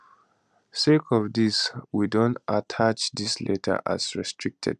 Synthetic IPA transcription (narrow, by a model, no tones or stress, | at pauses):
sekʰɔvdiswidõntatʰat͡ʃðislʔḛtʰə̰˞ʔa̰sɹɛstʰɹik̚tʰɛ̰d̥̚